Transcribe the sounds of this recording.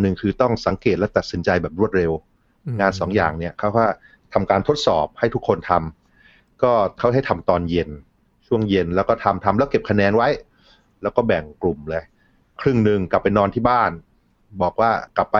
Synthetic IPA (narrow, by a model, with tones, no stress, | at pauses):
nɯ˨˧ŋkʰɯː˧t̪ɔ˥˩ŋsa˨˩˦ŋke˨˩t̪̚lɛ˦˥wt̪a˨t̪̚si˩˦nt͡ɕa˧jbɛː˨˩p̚ɾu˥˩ət̪̚ɾe˧w | ŋaː˧nsɔː˩˦ŋja̰ː˨˩ŋni˦˥˩ɐkʰa˦˥˩kaː˥˩ | t̪ʰa˧mkaː˧nt̪ʰo˦˥t̪̚sɔ̰ː˨˩p̚ha˥˩jt̪ʰu˦˥kʰːo˧nt̪ʰa˧m | kɔː˥˩kʰa˥˩ɦa˥˩jt̪ʰa˧mt̪ɔː˧nje˧n | t͡ɕʰu˥˩əŋje˧nlɛː˦˥wkɔː˥˩t̪ʰa˧mt̪ʰa˧mlɛː˦˥wke˨˩p̚kʰa˧nɛː˧nwa˦˥j | lɛː˦˥wkɔː˥˩bɛ˨˩ŋklu˨˩mlɤː˧j | kʰɾɯ˥˩ŋnɯ˨˧ŋka˨˩pːa˧jnɔː˧nt̪ʰiː˥˩baː˥˩n | bɔː˨˩k̚waː˥˩kla˨˩pːa˧